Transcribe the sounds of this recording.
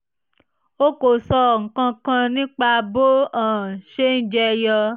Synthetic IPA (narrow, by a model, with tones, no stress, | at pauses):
o˦ko˨sɔ˧˦˨ŋ̩˨kã˧kã˧nĩ˦k͡pa˧bo˦ãː˨ʃe˦n̩˦d͡ʒɛ˦˧jɔ˧